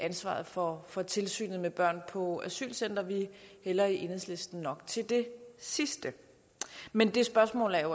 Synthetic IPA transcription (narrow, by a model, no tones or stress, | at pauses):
ænsʋɑ̰̈ːð̩ˠfɒfɒ̽t͡sʰe̝lsy̰ːnð̩ˠmeb̥ɶɐ̰npʰɒ̽æsy̰ːlsen̰d̥ɐʋihelɐiʔe̝nhḛsle̝sd̥n̩nɒ̽ɡ̥t͡sʰe̝ld̥e̝sisd̥ə | mend̥e̝sb̥ɶɐsmɔ̰ːlæɐjo